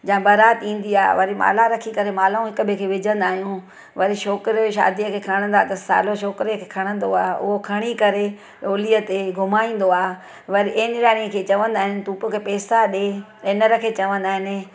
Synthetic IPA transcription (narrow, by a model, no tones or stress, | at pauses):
d͡ʑãːbɐɾaːt̪ĩːn̆d̪iaːʋɐɾima̰ːlaɾɐkʰikɐɾemaːlũɦɪkʊbʱɪkʰeːʋɪd͡ʑʱə̃nd̪aːɦijũ | ʋɐɾiʃoːkɪɾʃa̰ːd̪ijəkʰeːkʰɐɽ̃ə̃nd̪aːt̪ɐssa̰ːloʃ̬oːkɾekʰeːkʰɐɽ̃ə̃nd̪oaːʔʊ̰ɦokʰɐɽ̃ikɐɾe | ɗoːliət̪eɡʱʊmaːĩːn̆d̪oaː | ʋɐɾiʔenɪɾaːɽ̃iəkʰeːt͡ɕɐʋə̃nd̪aːɦɪnɪ̆t̪uːpõkʰeːpeːsaɗe | ɪnəɾɐkʰet͡ɕɐʋə̃nd̪aːɦɪnɪ̆